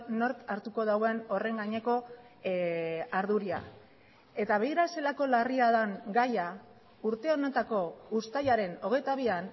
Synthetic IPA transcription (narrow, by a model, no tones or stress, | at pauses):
no̞ɾt̪aɾt̪uko̞ðaweno̞re̞ŋɡaɲe̞ko̞ | aɾðuɾia̰ | e̞t̪aβeɣiɾase̞lako̞lariaðaŋɡaja | uɾt̪e̞o̞net̪ako̞ust̪ajaɾe̞no̞ɣ̞e̞jt̪aβ̞ian